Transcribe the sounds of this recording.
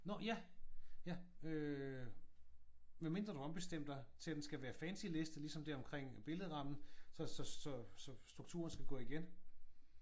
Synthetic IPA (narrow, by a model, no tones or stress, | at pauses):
nɒjæjæø | ʋæme̝nd̥ʁɐd̥uɒ̽mb̥e̝sd̥em̰d̥ɑ̈ɪt͡sʰe̝læd̥ensɡ̥æʋæːɐfænsile̝sd̥əlisɒ̽md̥æɐɒmkʰʁeŋ̰b̥e̝ləðˠʁɑ̈mn̩sɒ̽sɒ̽sɒ̽sɒ̽sd̥ʁuɡ̥̚t͡sʰṵːɐn̩sɡ̥æɡ̥ɔ̰̽ːiɡ̥en